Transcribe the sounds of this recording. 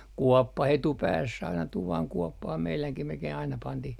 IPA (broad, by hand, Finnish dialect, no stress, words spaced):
kuɔpːɑh etupæːsː ɑinɑ tuʋɑŋ kuɔpːɑh meilæŋkim melkei ɑinɑ pɑntih